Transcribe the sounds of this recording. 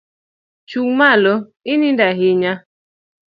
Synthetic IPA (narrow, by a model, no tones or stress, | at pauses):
t͡ʃuŋmaloɪnindaɦɪɲa